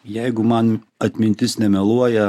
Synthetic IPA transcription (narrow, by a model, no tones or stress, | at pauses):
jæjɡʊmɑnɐt̪ʲmʲɪnʲt̪ʲɪsnʲɛmʲɛlˠuɔjɐ